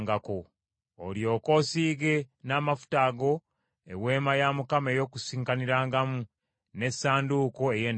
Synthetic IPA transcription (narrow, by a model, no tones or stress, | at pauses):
ŋɡako̰ː | ljo̞ːko̞ːsiːɡe̞naːmafu̥taːɡo̞ | ḛwe̞ːmajaːmukameːjo̞ːkusiːŋkaniɾaːŋɡamu | ne̞sːaːnduːko̞e̞jeːn